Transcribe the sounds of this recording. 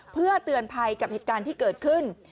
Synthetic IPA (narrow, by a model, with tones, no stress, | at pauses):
pʰɯ˥˩ɐət̪ɯ˧ənpʰa˧jka˨˩pheː˨˩t̪kaː˧nt̪ʰiː˥˩kɤː˨˩t̪̚kʰɯ˥˩n